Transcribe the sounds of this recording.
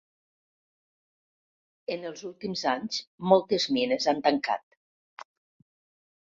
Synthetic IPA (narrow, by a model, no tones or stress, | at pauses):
ənəlˠzulˠt̪imzaɲzmɔlˠt̪əzminəzant̪əŋka̰t̪̚